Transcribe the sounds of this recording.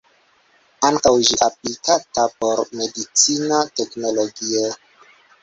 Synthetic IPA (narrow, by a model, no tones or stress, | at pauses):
aŋkawʒiʔaplikatapo̞ɾme̞dit͡sinate̞kno̞lo̞ɡio